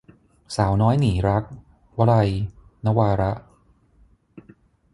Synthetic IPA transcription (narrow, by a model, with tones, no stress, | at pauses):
saː˩˦wnɔː˦˥jniː˩˦ɾa˦˥k̚ | wa˦˥ɾa˧jna˦˥waː˧ɾa˦˥ʔ